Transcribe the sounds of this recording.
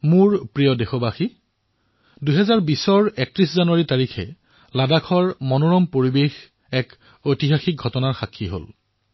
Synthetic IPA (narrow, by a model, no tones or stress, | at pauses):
muɹpɹijɔdexɔbaxi | duɦɛzaɹbisɔɹɛk̚tɹiszanuwaɹitaɹikʰɛ̰ | ladakʰɔɹmɔnoɹɔmpoɹibex | ɛk | ojtiɦaxik̚ɡʱɔtɔnaɹxakʰːiɦo̰l